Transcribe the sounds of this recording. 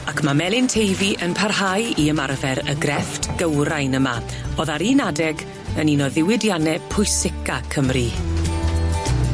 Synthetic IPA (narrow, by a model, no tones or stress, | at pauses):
akʰmamɛlˠɪntʰejviʔənpʰarhajiəmarvɛɾəɡrɛftɡ̥əwɾajnəma | ɔðaɾinadɛɡ | əninɔðɪwɪdjanɛpʰʊjsɪkʰakʰəmri